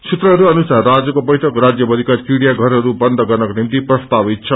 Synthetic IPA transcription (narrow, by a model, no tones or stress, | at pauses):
sut̪rʌɦʌɾuʌnusarːad͡zʌkobʌjʈʰʌkɾad͡zjʌbʌd̪ʱikaɾkiɽijaɡʱʌɾɦʌɾubʌnd̪ʱʌɡʌrnʌkonimt̪iprʌst̪abit̪̚t͡sʰʌ